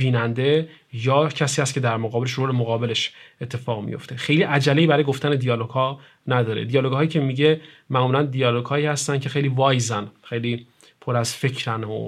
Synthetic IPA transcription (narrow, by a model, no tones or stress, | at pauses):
biːnænd̪e̞ | jɒːcʰæsiːhæst̪̚cʰe̞d̪æɾmoɣɒːbeleʃɾolemoɣɒːbe̞le̞ʃʔet̪ʰːe̞fɒːɣmḭjo̞̰ft̪e̞xejliːʔæd͡ʒælːeiːbæɾɒːjeɡoft̪æne̞d̪ijɒːloɡ̥hɒː | næd̪ɒːɾḛd̪ijɒːloɡhɒːjiːcʰemiɟe̞mæmuːlænd̪ijɒːloɡhɒːiːhæst̪æncʰe̞xe̞jliːvɒːjzænxe̞jliː | pʰo̞ɾæzfe̞cʰɾæno̰